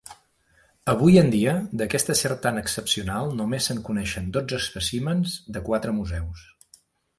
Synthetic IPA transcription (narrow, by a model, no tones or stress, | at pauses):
əβ̞ujənd̪iəd̪əkɛst̪əseɾt̪anəksəpsiunalˠnumesəŋkunɛʃənd̪od͡zəspəsimənzd̪əkwat̪ɾəmuzɛws